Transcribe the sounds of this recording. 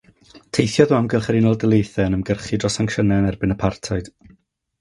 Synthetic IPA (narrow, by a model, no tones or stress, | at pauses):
tʰejθjɔðuamɡəlˠχɛɾinɔlˠdəlˠejθɛnəmɡərχidrɔsaŋkʃənɛnɛrbɪnəpʰartʰaɨd̥